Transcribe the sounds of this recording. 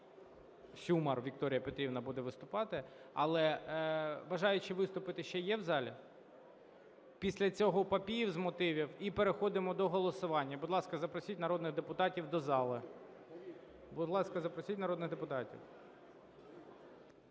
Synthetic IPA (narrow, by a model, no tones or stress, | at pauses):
sʲumɐrʋʲik̚t̪ɔɾʲijɐpet̪ɾʲiwnɐbud̪ɛʋɪst̪ʊpɑt̪ɪɐ̰lˠɛ | ʋɐʒɑjʊt͡ʃɪʋɪst̪ʊpɪt̪ɪʃt͡ʃɛjɛwzɑlʲi | pʲisʲlʲɐt͡sʲɔɦɔpɐpʲijiwzmɔt̪ɪʋʲiwipeɾexɔd̪ɪmɔd̪ɔɦɔlˠɔsʊʋɑnʲːɐbʊd̪lˠɑskɐzɐpɾɔsʲitʲnɐɾɔd̪nɪɣd̪epʊt̪ɑtʲiwd̪ɔzɑlˠɪ | bʊd̪lˠɑskɐzɐpɾɔsʲitʲnɐɾɔd̪nɪɣd̪epʊt̪ɑtʲḭw